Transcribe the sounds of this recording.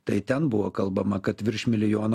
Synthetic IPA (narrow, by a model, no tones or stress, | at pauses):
t̪ɐɪt̪ʲɛnbʊʋoːkɐlˠbɐmɐkɐt̪ʋʲɪɾʲʃʲmʲɪlʲɪjoːn